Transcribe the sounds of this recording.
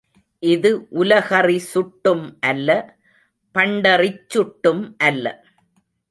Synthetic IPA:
ʔɪðɯʔʊlɐɣɐrisʊʈːɯmʔɐlːɐ | pɐɳɖɐrɪt͡ʃːʊʈːɯmʔɐlːɐ̰

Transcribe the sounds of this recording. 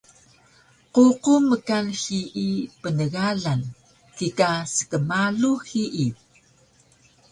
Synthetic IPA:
ququməkanxiʔipənəɣaɮan | kikasə̥kəmaɮuxiʔi

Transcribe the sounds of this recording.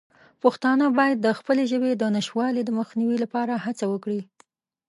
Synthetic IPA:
paxt̪ɑnəbɑjad̪ːəxpəleʒəbed̪ənaʃwɑlid̪əməxniwilapɑɾahat͡sawəkɽi

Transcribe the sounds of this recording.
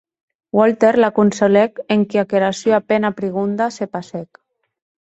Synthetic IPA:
wɔlt̪eɾlakunsolɛkeŋkiakeɾasjoapenapɾiɣ̞und̪asepasɛk

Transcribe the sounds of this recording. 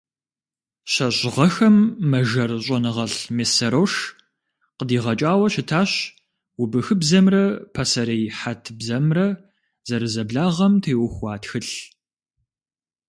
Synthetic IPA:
ɕɐɕʁɐxɐmːɐʒɐrɕʼɔnɨʁɐɬmeːsɐɾɐwʂ | qədiːʁɐt͡ʃʼaːwɐɕɪtʰaːɕ | wʊbɨxɨbzɐmrɐpʰasɐɾɐjħatʰbzɐmrɐ | z̥ɐɾɨzɐbɮaːʁɐmtʰeːwʊxʷɑːtxɨɬ

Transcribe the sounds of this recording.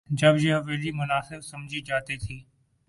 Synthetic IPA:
d͡ʒɐbjeɦɐʋeːlimʊnaːsɪbsɐmd͡ʒʱid͡ʒaːt̪it̪ʰiː

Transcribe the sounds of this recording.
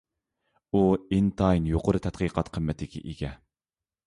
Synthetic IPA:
uint̪ʰɑjnjoqəɾɨt̪ʰɛt̪qʰəːqʰɑt̪qʰəmːɛt̪ʰɪkʲḭʔiɡʲɛ

